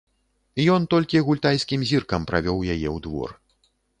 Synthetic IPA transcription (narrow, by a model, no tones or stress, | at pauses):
ijɔnt̪ɔlʲkʲiɣulʲt̪ajsʲkʲimzʲirkɐmpɾa̰vʲɔwjajɛwd̪vɔ̰r